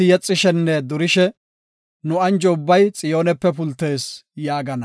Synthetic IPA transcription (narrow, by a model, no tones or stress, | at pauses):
ɪjɛt͡sʼːɪʃɛnːɛd̪ʊɾɪʃɛ | nʊɐnd͡ʒɔʊbːɐjt͡sʼɪjo̞ːnɛpːɛpʊlt̪ːe̞ːsjaːɡɐnɐ